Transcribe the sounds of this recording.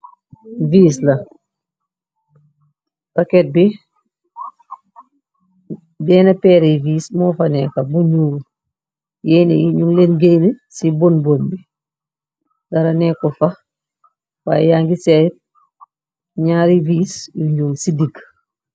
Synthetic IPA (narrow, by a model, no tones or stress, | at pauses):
viːs̬lɐ | pɐkɛt̚bi | bɛːnɐpɛːɾiviːsmɔːfɐnɛkɐbunɲow | jɛnḛjiɲuŋlenɡejnisibonbonbi | dɐɾɐnɛkɔfɐ | wa̰ːjjaːŋɡisɛt̚ | ɲaːɾiviːsjuɲɟoːwsidiɡ